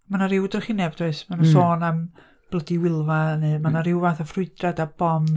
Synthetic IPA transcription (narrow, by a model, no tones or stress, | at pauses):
manaɾɪwdərχinɛb̚tʰwesmanunsoːnam | b̥lˠədiwɪlˠvanɨmanaɾɪwvaθafrʊɨdradab̥ɔm